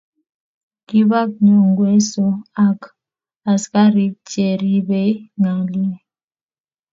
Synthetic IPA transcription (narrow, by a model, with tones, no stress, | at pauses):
ki˦βa˦k̚ɲɔ˨ŋɡwe˦sɔ˦a˦k | a˨ska˦ɾi˦t͡ʃe˨ɾi˦be˦i˦ŋa˨li˦